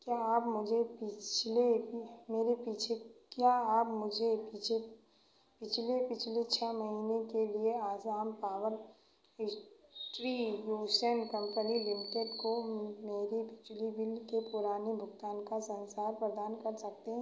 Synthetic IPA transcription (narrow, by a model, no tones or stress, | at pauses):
kjaaːpmʊd͡ʒʱepit͡ʃʰlemeːɾepiːt͡ʃʰekjaaːpmʊd͡ʒʱet͡ʃʰe | pɪt͡ʃʰlepɪt͡ʃʰlet͡ʃʰɛmɐɦiːnekelieaːzaːmpaːʋəl | ɪʈɾijuːsənkɐ̃mpənilɪmɪʈeɖkomeːɾibɪd͡ʒlibɪlkepʊɾaːnibʱʊɡt̪aːnkasɐ̃nsaːɾpɾəd̪aːnkɐɾsɐk̚t̪eɦɛ̃